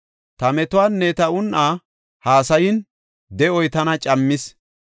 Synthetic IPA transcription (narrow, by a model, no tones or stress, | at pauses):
t̪ɐmɛt̪ʊwaːnːɛt̪ɐʊnʔaː | haːsɐjɪn | d̪ɛʔɔjt̪ɐnɐt͡ʃʼɐmːɪs